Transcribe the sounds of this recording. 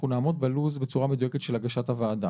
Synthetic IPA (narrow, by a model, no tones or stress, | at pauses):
unaːmo̞d̪̚baluzbe̞t͡suʁamed̪ujeket̪ʃelhaɡaʃathavaːda